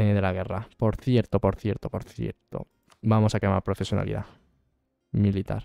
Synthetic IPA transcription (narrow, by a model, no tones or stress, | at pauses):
eðelaɣ̞erapoɾθjeɾt̪opoɾθjeɾt̪opoɾθjḛɾt̪o̰ | bamosakema̰ɾpɾofesjona̰lḭð̞a̰ | milit̪a̰ɾ